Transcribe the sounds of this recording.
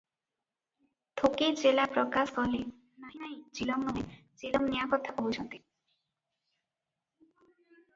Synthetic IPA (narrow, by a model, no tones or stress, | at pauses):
t̪ʰoked͡ʑelapɾɔkaskɔle | najnajd͡ʑilɔmnuɦed͡ʒilɔmnijakɔt̪ʰːaboɦut͡ɕʰɔnt̪i